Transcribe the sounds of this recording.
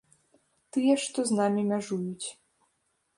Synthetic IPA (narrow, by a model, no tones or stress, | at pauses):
t̪ɨjɛʂt̪ɔznamʲimʲaʐujut͡sʲ